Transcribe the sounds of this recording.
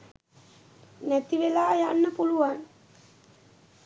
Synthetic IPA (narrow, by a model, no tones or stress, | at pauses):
næt̪iʋelaːjanːəpuluʋan